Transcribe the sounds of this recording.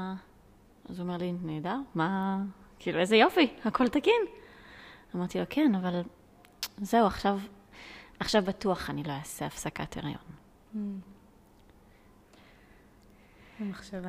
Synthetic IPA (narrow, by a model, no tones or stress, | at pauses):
azuomeʁlineːd̪ama | kʰiːluezejo̞fihakʰo̞lt̪akin | amaʁt̪ilo̞kʰenaval | zeuaχʃav | aχʃavbatuaχanilo̞jaːseafsaka̰tʰeʁjo̞̰n | maχʃeva